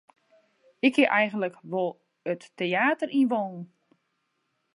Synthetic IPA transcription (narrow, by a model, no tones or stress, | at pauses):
ɪkhɪʔɛjɣən̩tləkʋolˠ | ətːeaːtərinʋoːnn̩